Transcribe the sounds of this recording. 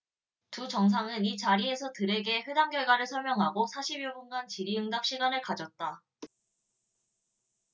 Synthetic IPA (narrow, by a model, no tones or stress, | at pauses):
tut͡ɕʌŋs̬ʰaŋɯnit͡ɕaɾie̞sʰʌtɯɾe̞ɡe̞ɸwedaŋɡjʌɭɡwaɾɯɭsʰʌɭmjʌŋɦaɡosʰaɕʰibiobunɡant͡ɕiɾiɯŋdap̚ɕ͈iɡanɯɭkad͡ʑʌt̚t͈a